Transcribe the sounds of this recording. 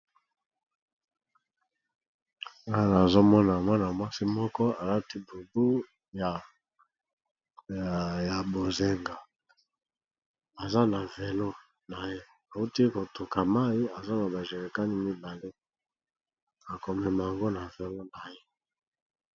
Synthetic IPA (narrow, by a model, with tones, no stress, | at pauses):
ŋa˦nː˨zo˦mɔ˦na˨mwa˦na˨mwa˦si˦mɔ˦kɔ˦a˨la˦ti˦bu˨bu˦˨ | ja˨bo˨ze˨ŋɡa˨ | a˨za˦na˨ve˨lo˦ | na˨je˦ | a˨u˦ti˦ko˨to˨ka˨ma˦ji˦a˨za˦na˨ba˨ʒe˨li˨ka˦ni˦mi˦ba˨le˦ | a˨kɔ˨mɛ˨ma˨ja˨ŋɡo˦na˨vɛ˨lo˦na˨je˦